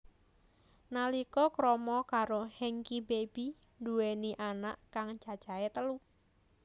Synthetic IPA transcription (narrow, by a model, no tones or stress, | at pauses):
nalikɔkɾɔmɔkaɾohɛŋkibeb̥i | nduweniʔanaʔkaŋ̥t͡ʃa̤̥ʒ̥aet̪əlu